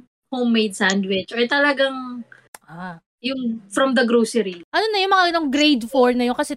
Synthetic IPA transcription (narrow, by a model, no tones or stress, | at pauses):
howmːejd̪̚sawnd̪wɪt͡ʃʔɔjt̪ɐlɐɡaŋ | ʔa | jʊŋfɾɐmd̪ɐɡɾoːsɛɾiʔɐnonːɐjʊŋmɐŋɐɡɐnoŋɡɾejd̪foɹnɐjoŋkɐsɛ